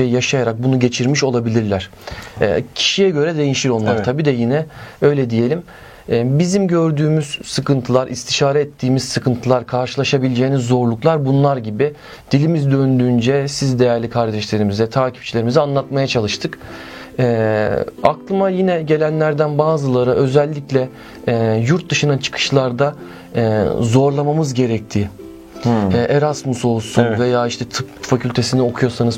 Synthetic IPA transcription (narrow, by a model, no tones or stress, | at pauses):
ejjaʃajaɾak̚bunuɟe̞t͡ʃʰiɾmiʃo̞lˠabilʲiɾlʲæɾ̥ | ɛ̰cʰi̥ʃijɛɟø̞ɾɛd̪e̞jiʃiɾo̞nlˠaɾɾt̪ʰabiːd̪ɛjinɛø̞jlʲɛd̪ije̞lʲim | ɛbizimɟø̞ɾd̪yːmyz̥sɯkɯnt̪ʰɯlˠaɾʔist̪ʰiʃaːɾɛɛt̪ʰːiːmiz̥sɯkʰɯnt̪ʰɯlˠaɾkʰaɾʃɯlˠaʃabilʲid͡ʒeːnizo̞ɾlˠuklˠaɾbunlˠaɾɟibi | d̪̥ilʲimizd̪ø̞nd̪ynd͡ʒɛsizd̪e̞jæɾlʲikʰaɾd̪ɛʃlʲe̞ɾimizɛt̪ʰaːcʰi̥pt͡ʃʰilʲe̞ɾimizɛanlˠat̪̚majat͡ʃʰalˠɯʃt̪ʰɯk | ɛːaklˠɯmajinɛɟe̞lʲænlʲæɾd̪ænbaːzɯlˠaɾɯʔø̞zɛlʲːiclʲɛ | juɾt̪̚d̪ɯʃɯnat͡ʃʰɯ̥kʰɯ̥ʃlˠaɾd̪a | ɛːzo̞ɾlˠamamɯzɟe̞ɾɛc̚t̪ʰiː | ɛʔeɾasmuso̞lˠsunve̞jaːiʃt̪ʰɛt̪ʰɯpfacʰylʲt̪ʰe̞sinio̞kʰujo̞sanɯz